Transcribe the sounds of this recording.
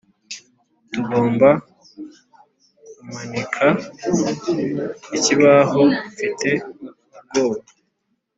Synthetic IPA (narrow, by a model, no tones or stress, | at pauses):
tuɡo̞ːmba | kumanikʰa | iciβaɦofitʰe̞ | ub̚ɡo̞ːβa